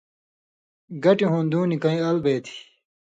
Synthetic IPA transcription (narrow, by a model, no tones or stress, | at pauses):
ɡɐʈiɦõːnd̪ũːnikɐ̃ĩɐlbeːt̪ʰi̥